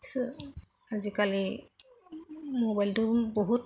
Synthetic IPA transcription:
sɯ | azikali | mobajltuboɦut

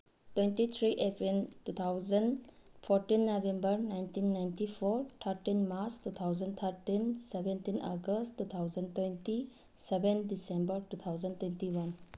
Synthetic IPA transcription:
twentit̪ʰɾiʔepɾiltut̪ʰawzɐnpʰoɾtinːobembɐɾnajntinːajntipʰoɾt̪ʰaɾtinmaɾt͡ʃtut̪ʰawzɐnt̪ʰaɾtinsebentinʔa̰ɡəstːut̪ʰawzɐntwenti | sebendisembəɾtut̪ʰawzɐntwentiwɐn

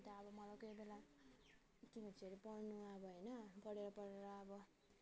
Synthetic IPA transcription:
t̪aːbʌmʌlajkʌjbela | kimʌt͡sʰiʌɾipʌrnuaʌbʌɦʌjnʌpʌɽeɾʌpʌɽeɾʌːbʌ

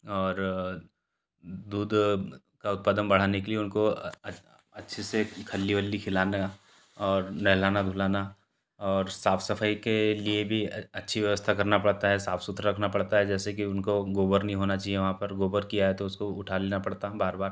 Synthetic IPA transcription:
ɔːɾ | d̪uːd̪ʱ | kaʊt̪̚paːd̪ənbɐɽ̤aːnekelieʊnko | ɐtːʃʰesekʰɐlːiʋəlːikʰɪlaːna | ɔːɾnɛɦlaːnad̪ʱulaːna | ɔːɾsaːfʰsɐfʰaːikeliebʱiɐtːʃʰiʋjɐʋəst̪ʰakɐɾnapɐɽ̤t̪aɦɛsaːfsʊt̪ɾɾɐkʰnapɐɽt̪aɦɛd͡ʒɛːsekiʊnkoɡoːbəɾnəɦĩɦoːnat͡ʃaːɦieʋɐɦãpɐɾɡoːbəɾkijaɦɛt̪oʊskoʊʈʰaleːnapɐɽt̪aɦɛbaːɾbaːɾ

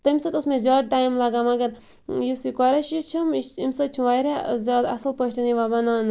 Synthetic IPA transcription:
t̪ɐimʲsɐt̪usmẽzaːd̪̚ʈaːjmlɐɡaːmɐɡɐɾ | jisikɔɾɐʃit͡ʃʰumimsɐt͡ʃʰũʋaːjɾezʲaːd̪ɐ̰səlpɐʃʈɐniʋaːbɐnaːn

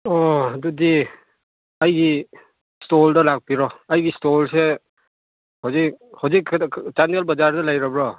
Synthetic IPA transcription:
ɔdudi | ajɡi | stɔldɐlak̚piɾɔajɡistolse | hawzik̚hawzikt͡ʃandalbɐzaɾdɐlajɾabɾɔ

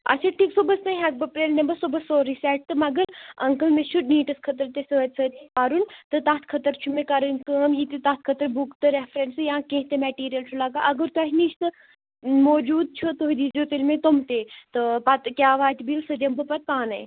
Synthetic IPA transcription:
ɐ̰t͡ʃʰaʈʰiːksobɐst̪ɐɦɐk̚bɐpɾeːlnembɐsobɐsoːɾisɛːʈ̚t̪ɨmɐɡəɾɐŋkəlmẽʃuniːʈɐskʰɐt̪əɾt̪esɐət̪sʰət̪iaːɾunt̪ɨt̪aːt̪ʰkʰɐt̪əɾt͡ʃʰumekɐɾənkəːmjit̪it̪aːt̪ʰkʰɐt̪əɾbukt̪ɨɾefɾensɨjãːkẽːɦt̪emɛʈiːɾijɐlt͡ʃʰulaːɡaʔɐɡəɾt̪uɐɦʲniʃt̪ɨ | moːd͡ʒuːd̪̚t͡ʃʰot̪oɦid̪id͡ʒot̪ilmẽt̪omt̪eːt̪ɨpɐt̪kʲjaːʋaːt̪ʲbilsɨd͡ʒɐmbɨpɐt̪̚kaːnɐj

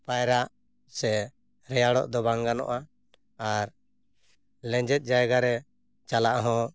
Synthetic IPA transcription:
pajɾaʔ | sɛ | ɾɛjaɽɔ̰ʔd̪ɔbaŋɡanɔ̰ʔa | aɾ | lɛ̃ɲd͡ʒɛt̪̚ˀd͡ʒajɡaɾɛ | t͡ʃalaʔɦɔ̃

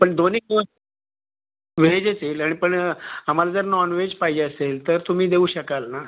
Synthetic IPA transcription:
pəɳd̪onik | ʋed͡ʑat͡selaɽ̃ipəɳam̤alad͡zəɾnɔnʋed͡ʑpaɦid͡ʑeəselt̪əɾt̪um̤iːd̪euːɕəkalna

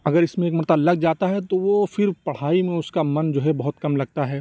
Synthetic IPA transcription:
ɐɡəɾɪsmẽeːkmɐɾt̪alɐɡ̚d͡ʒaːt̪aɦɛt̪oʋofɪɾpɐɽ̤aːimẽʊskamɐnd͡ʒoːɦɛbɐɦʊt̪kɐmlɐɡ̚t̪aɦɛː

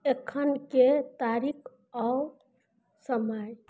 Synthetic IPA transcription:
ekʰːənket̪aɾikʰ | aw | səməj

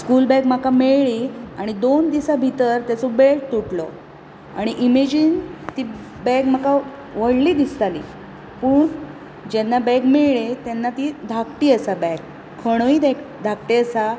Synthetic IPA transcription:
skulbɛɡm̤akameɭɭiaɽ̃id̪ond̪isabʱit̪əɾt̪at͡sɔbeɭt̪uʈlɔ | a̰ɽ̃iʔimed͡ʑint̪i | bɛɡmaka | ʋəɽliːd̪ist̪alḭː | puːɳ | d͡ʑenːabɛɡmeɭɭet̪ɛnːat̪id̪ʱakʈiːəsabɛk | kʰːəɽ̃oiːd̪ek | d̪ʱak̚ʈiəsa

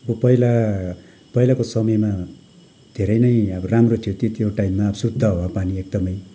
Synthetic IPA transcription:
ʌbʌpʌila | pʌilakosʌmʌjma | d̪ʱeɾʌjnʌjʌbʌramrot̪ʰijot̪et̪joʈajmːaʌbʌsud̪ʱːʌɦoapaniek̚d̪ʌmʌj

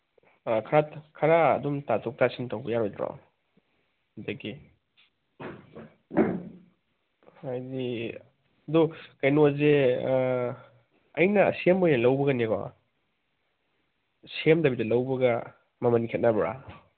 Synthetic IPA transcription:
kʰaɾakʰɐɾaɐ̰dumtatʰɔk̚tasintawbɐjaɾojtɾa̰ | ɐdɐɡi | ajdi | ɐdukɐjnoze | ɐjnɐ̰semojnɐlɐwbɐɡɐneɡɔ̰ | semdɐbidɐlɐwbɐɡɐ | mɐmɐnikʰet̚nabɾa̰

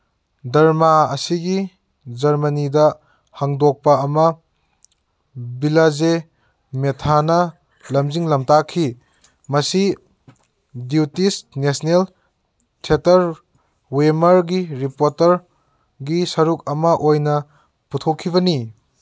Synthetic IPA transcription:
dɐɾmaɐ̰siɡi | d͡ʒɐɾmɐnidɐ | hɐŋdok̚pɐɐmɐ | bilaze | metʰanɐ | lɐmziŋlɐmtakʰi | mɐsi | diutisnesnel | tʰetɐɾ | wemɐɾɡiɾipoɾtɐɾ | ɡisɐɾuk̚ɐmɐʔojnɐ | putʰokʰːibɐni

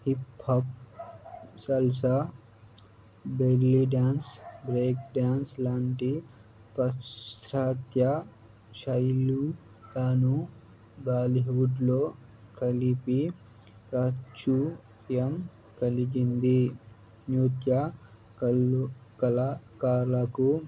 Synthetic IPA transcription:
hipːɐp̚ | sɐlsa | beːɾliɖaːnsbɾeːk̚ɖaːnslaːɳʈi | pɐst̪ɾat̪ja | ʃɐjlu | t̪aːnu | baːliɦuɖloː | kɐlipi | pɾaːt͡ʃːu | jɐm | kɐliɡind̪i | nuːt̪ja | kɐlkɐlakaːɾlaku

